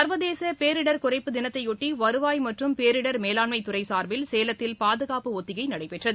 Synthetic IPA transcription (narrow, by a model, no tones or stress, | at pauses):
sɐɾbɐðeːsɐpeːɾɪɽɐɾkʊrɐɪpːɯd̪ɪnɐt̪ːɐɪjɔʈːiʋɐɾɯʋaːjmɐʈrɯmpeːɾɪɽɐɾmeːlaːɳmɐɪt̪ːʊrɐɪsaːɾbɪlseːlɐt̪ːɪlpaːðɯɣaːpɯɔt̪ːɪɣɐɪnɐɽɐɪpːɛʈrɐðɯ